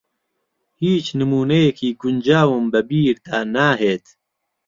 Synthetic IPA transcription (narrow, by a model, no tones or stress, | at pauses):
hiːt͡ʃnɨmuːnejekʰiːɡʊnd͡ʒaːwɨmbɐbiːɾd̪aːnaːɦeːt̪